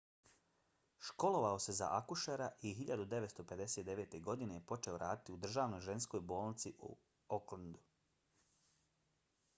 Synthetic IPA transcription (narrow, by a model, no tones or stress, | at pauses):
ʃko̞lˠo̞ʋao̞se̞za̰ʔakuʃaɾaʔiɦiʎad̪ud̪eʋet̪st̪ope̞d̪e̞set̪̚d̪e̞ʋe̞ːt̪e̞ɡo̞d̪inepo̞t͡ʃe̞o̞ɾʔaːd̪it̪iud̪r̩ʒaːʋno̞jʒe̞nsko̞jbo̞ːlnit̪siʔṵ | okland̪u